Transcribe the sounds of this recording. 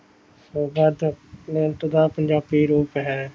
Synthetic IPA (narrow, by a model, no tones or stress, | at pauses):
soːbad̪nent̪əd̪ãːpəɲd͡ʒaːbiːɾoːpɦɛː